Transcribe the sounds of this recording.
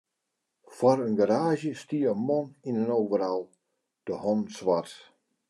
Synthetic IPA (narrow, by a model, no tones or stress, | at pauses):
fɔɾənɡaɾaːʒjəstiəənmɔninənoːvəɾalˠ | d̥əhɔnsʋat